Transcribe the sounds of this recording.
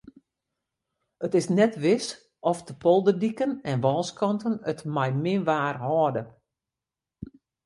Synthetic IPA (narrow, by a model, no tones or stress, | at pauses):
ətɪsnɛtʋɪs | ɔfdəpʰɔlˠdədikənɛnʋɔːskɔntənətmɛjmɪʋaːrɦɔːdə